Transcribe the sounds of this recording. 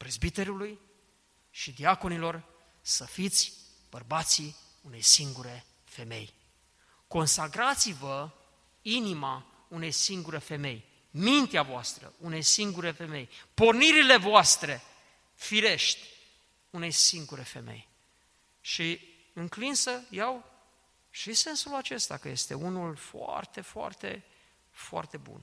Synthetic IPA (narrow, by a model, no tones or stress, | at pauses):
pɾezbit̪e̞ɾuluj | ʃid̪iako̞nilo̞r | səfit̪sʲ | b̥ərbat̪si | une̞jsiŋɡuɾe̞ | fe̞me̞̰j | ko̞nsakɾat̪sivə | inima | une̞jsiŋɡuɾəfe̞me̞j | mint̪eavoast̪ɾə̰ʔune̞jsiŋɡuɾe̞fe̞me̞jpo̞rniɾile̞voast̪ɾe̞ | fiɾe̞ʃt̪ʲ | une̞jsiŋɡuɾe̞fe̞̰me̞̰j | ʃi | ɨŋklinsəjaw | ʃise̞nsulat͡ʃe̞st̪a̰kəje̞st̪e̞̰unulfoa̰rt̪e̞foa̰rt̪e̞̰ | foa̰rt̪e̞bṵn